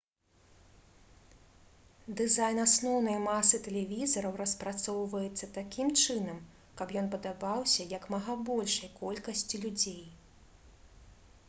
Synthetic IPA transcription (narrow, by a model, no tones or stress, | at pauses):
d̪ɨzajnasnɔwnɐjmasɨt̪ɛlʲɛvʲizɐɾɐwrɐspɾat̪sɔwvɐjɛt̪sːɐt̪akʲimt͡ʂɨn̪ɐm | kɐpjɔnpɐd̪abawsʲɐjɐkmɐɣabɔlʲʂɐjkɔlʲkɐsʲt͡sʲilʲud͡zʲej